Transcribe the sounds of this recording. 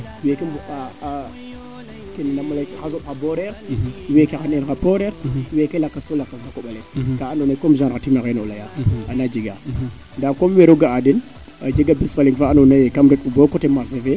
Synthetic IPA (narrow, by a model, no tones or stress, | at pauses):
wekimbuka | kinnamalakxazopxaboɾeɾwekexaninkapoɾeɾwekelakːaskolakːasakoɓalekaːnonakomʒaɾxatimaɣeno̰lajaanad͡ʒiɡa | ndamkomweɾoɡaadin | a̰d͡ʒiɡabisfaliŋfaanonajkamɾekubokotemaɾs̬eve